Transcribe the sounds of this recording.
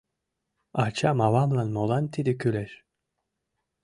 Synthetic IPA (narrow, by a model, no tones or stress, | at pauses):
at͡ʃamavamlˠanmolˠant̪ʰid̪ikʰʲylɛʃ